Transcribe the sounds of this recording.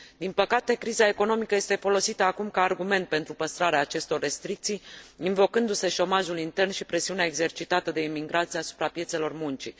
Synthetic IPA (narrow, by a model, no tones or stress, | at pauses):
d̪inpəkat̪e̞kɾizae̞ko̞no̞mikəje̞st̪e̞fo̞lo̞sit̪əakumkaːrɡume̞nt̪̚pe̞nt̪ɾupəst̪ɾaɾeaːt͡ʃe̞st̪o̞rːe̞st̪ɾik̚t̪sijinvo̞kɨnd̪use̞ʃo̞maʒulint̪e̞rnʃipɾe̞siuneaeɡze̞rt͡ʃit̪at̪əd̪e̞imiŋɡɾat̪siasu̥pɾapjese̞lo̞rmunt͡ʃi